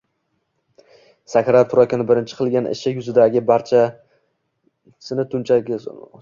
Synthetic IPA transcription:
sakʰʲɾat̪ʰʊɾakʲɪnɪbɪɾɪnt͡ʃʰɪ̥qʰɨlˠɡʲanɪ̰ʃɪjʊzɪd̪aɡʲɪbaɾt͡ʃʰa | sɪnɪt̪ʰʊnt͡ʃʰa

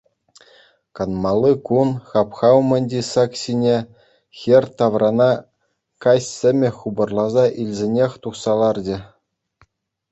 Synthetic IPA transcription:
kɑnmɑlˠːɯkunχɑpχɑumʲɘ̆nʲdʲisɑksʲinʲe | xʲerʲt̪ɑʋrɑnɑ | kɑsʲsʲɘ̆mʲɘ̆xubɤ̆rlˠɑzɑʔilʲzʲenʲexʲt̪uχsɑlˠɑrd͡ʑɘ̆

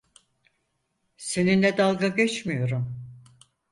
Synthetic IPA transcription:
se̞ninlʲɛd̪alˠɡaɡɛt͡ʃmijo̞ɾum

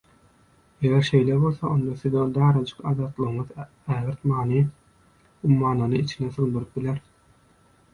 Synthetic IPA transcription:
eɣeɾʃe̞jlebo̞lˠθɑʔo̞nd̪ɑθiðod̪ɑːɾɑd͡ʒɯ̥qɑðɑːt̪lˠɯɣɯmɯð | æːɣiɾt̪mɑːnɯ | umːɑːnɑnɯit͡ʃʰineθulˠd̪uɾɯp̚bilʲeɾ

